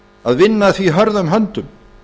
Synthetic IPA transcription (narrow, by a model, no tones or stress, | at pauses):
aðvɪnːaθviɦœɾðanɦœnt̪ʏm